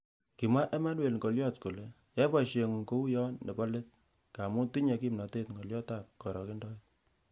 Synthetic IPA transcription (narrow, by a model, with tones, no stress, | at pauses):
ki˨mwa˦ʔɛ˦ma˦nwe˨lŋɡo˨ljɔ˦tko˨le˨ | jɛ˦ba˨ʃe˨ŋu˨ŋko˦u˦jɔ˦nːe˨pɔ˦le˦t̚ | ka˨mʊ˦ti˦ɲe˨ki˦mnɔ˨te˦tŋɡɔ˨ljɔ˦ta˨k̚kɔ˨ɾɔ˨ke˦ndɔ˦e˦t̚